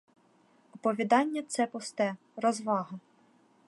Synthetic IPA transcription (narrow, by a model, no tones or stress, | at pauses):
ɔpɔʋʲid̪ɑnʲːɐt̪sɛpʊst̪ɛ | rɔzʋɑɦɐ